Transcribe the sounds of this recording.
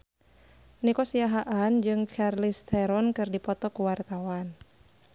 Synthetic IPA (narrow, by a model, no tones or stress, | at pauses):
nikɔsiaɦaʔand͡ʒɨŋt͡ʃarlist̪ɛɾɔnkɨrdipɔt̪ɔkuwart̪awan